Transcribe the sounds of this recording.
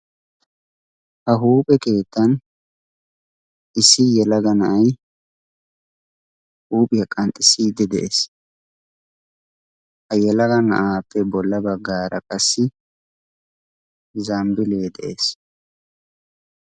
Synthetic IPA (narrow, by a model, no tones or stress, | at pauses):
hɐɦuːpʼɛke̞ːt̪ːɐn | ɪsːɪjɛlɐɡɐnɐʔɐj | huːpʼɪjɐkʼɐnt̪ʼɪsɪd̪ɪd̪ɛʔeːs | hɐjɛlɐɡɐnɐ̰ʔaːpʰːɛbɔlːɐbɐɡaːɾɐkʼɐsːɪ | zɐmbɪle̞ːd̪ɛʔes